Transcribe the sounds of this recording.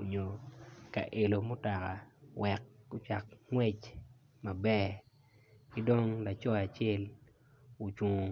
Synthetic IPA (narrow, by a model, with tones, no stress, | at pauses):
o˨ɲo˨ka̰˨ʔe˨lo˨mʊ˦ta˨ka˨wɛ˨kːʊ˦t͡ʃa˨kŋwɛ˦t͡ʃ | ma˨bɛ˦˨ | kɪ˦do˦ŋla˨t͡ʃɔ˦a˨t͡ʃɛ˦l | o˨t͡ʃo˨